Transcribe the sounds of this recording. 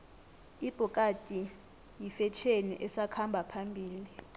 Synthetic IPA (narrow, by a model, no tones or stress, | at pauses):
ib̥ʱukʼatʼi | jifɛt͡ʃʰenḭʔɛsakʰambʱapʰambʱiːli